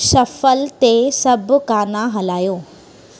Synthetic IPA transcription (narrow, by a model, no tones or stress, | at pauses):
ʃɐfəlt̪esɐbʱkaːnãɦɐlaːjoː